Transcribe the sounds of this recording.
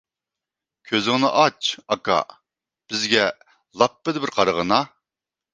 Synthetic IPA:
kʲʰøzɪŋnɪʔɑt͡ʃɑkɑ̰ | b̥ɪzɡʲɛ | lˠɑpːɪd̪ɪbɪɾqʰɑɾəʁənɑ

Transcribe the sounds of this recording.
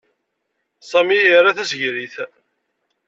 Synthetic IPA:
sˤɑmijəɾˤːaθæsʝɾiθ

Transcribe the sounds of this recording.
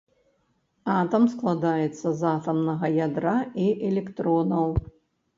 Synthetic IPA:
at̪ɐmsklˠad̪ajɛt̪sːɐzat̪ɐmnɐɣɐjad̪ɾaiʔɛlʲɛkt̪ɾɔnɐw

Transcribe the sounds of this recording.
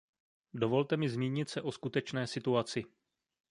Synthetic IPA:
do̞vo̞lt̪ɛmɪzmiːɲɪt̪sɛʔo̞skut̪ɛt͡ʃnɛːsɪt̪uat͡sɪ

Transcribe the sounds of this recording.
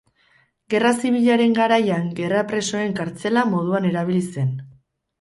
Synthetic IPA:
ɡe̞rasiβiʎaɾe̞ŋɡaɾajaŋɡe̞rapɾe̞so̞e̞ŋkaɾt͡se̞lamo̞ðuane̞ɾaβ̞ilise̞n

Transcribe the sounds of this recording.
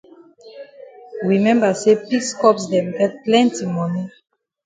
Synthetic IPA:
wimɛ̃mbasepiskɔpsdɛ̃mɡɛt̚plɛ̃ntimɔni

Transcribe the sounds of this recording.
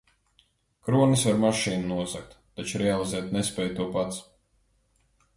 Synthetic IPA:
kɾuɔnisvaɾmaʃiːnunuɔzak̚t̪ːat͡ʃuɾɛalˠizɛːt̪nespɛːjt̪uɔpat̪s

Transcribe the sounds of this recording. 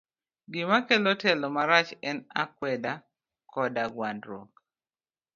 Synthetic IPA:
ɡɪmakɛlɔtɛlɔmaɾat͡ʃɛnakwɛda | kɔdaɡwandɾo̰k

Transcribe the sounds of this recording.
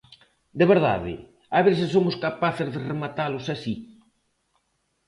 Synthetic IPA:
d̪eβeɾða̰ðɪ̰ | aβesɪsomʊskapaθɪzðɪremat̪alʊsasi

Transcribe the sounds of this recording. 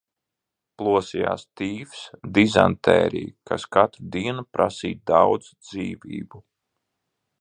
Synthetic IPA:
plˠuɔsija̰ːst̪iːfsd̪iza̰nt̪ʰɛ̰ːɾḭːkaskat̪ɾud̪iɛnupɾʔasiːt̪̚d̪awd̪zd̪ziːviːbu

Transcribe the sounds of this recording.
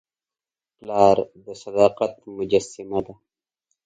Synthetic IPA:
plaːɾd̪əsɐd̪aːqɐt̪mud͡ʒɐsimad̪a

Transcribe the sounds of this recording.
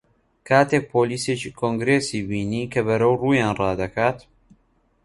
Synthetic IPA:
kʰaːt̪ʰeːk̚pʰoːliːseːt͡ʃiːkʰoŋɡɾeːsiːbiːniːkʰɐβɐɾɐwruːjaːnrɑːd̪ɐkʰaːt̪

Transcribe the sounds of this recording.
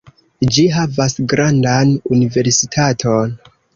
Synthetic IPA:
d͡ʒiɦavasɡɾandanunive̞ɾsitʰatʰon

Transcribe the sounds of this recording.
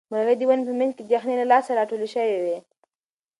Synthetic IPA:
məɾɣed̪iwanpəmɪnked̪jaxnelalɑsalɑʈoleʃəwewe

